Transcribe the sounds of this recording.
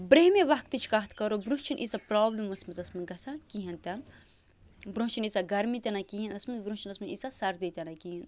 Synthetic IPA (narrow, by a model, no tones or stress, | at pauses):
bɾeɦmeʋɐkt̪ɨt͡ʃʰkɐɦt̪ʰkɐɾobɾũt͡ʃʰinʔisapɾaːblimʋɐsmɐzɐsmɐnɡɐsakiːɦɐnt̪ʲɐn | bɾõːt͡ʃʰinisaɡɐɾmit̪ʲɐnakiːɦinɐsmɐzbɾũːt͡ʃʰinɐsmɐnisasɐɾd̪it̪ʲɐnaːkiːɦin